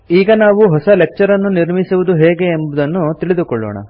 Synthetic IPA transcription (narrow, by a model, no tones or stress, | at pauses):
iːɡɐnaːʋuɦɔsɐlek̚t͡ʃɐɾɐnːuniɾmisuʋud̪uɦeːɡe̞ːmbud̪ɐnːut̪iɭid̪ukɔɭːɔ̰ːɳɐ̰